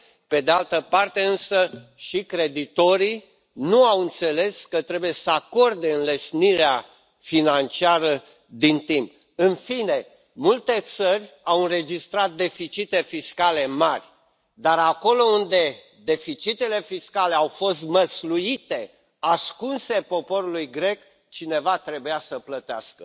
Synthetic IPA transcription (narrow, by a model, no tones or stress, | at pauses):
pe̞d̪e̞alt̪əpart̪e̞ɨnsəʃikɾe̞d̪it̪o̞ɾi | nuawɨnt̪se̞le̞skət̪ɾe̞bujesəako̞rd̪e̞ɨnlesniɾea | finant͡ʃiaɾə | d̪int̪imp̚ | ɨnfine̞ | mult̪e̞t̪sərʲ | awɨnɾe̞d͡ʒist̪ɾat̪̚d̪e̞fit͡ʃit̪e̞fiskale̞marʲ | d̪aɾako̞lo̞und̪e̞ | d̪e̞fit͡ʃit̪e̞le̞fiskale̞awfo̞st̪məslujit̪e̞ | askunse̞po̞po̞ɾulujɡɾe̞k | t͡ʃine̞vat̪ɾe̞bujasəplət̪ea̰skə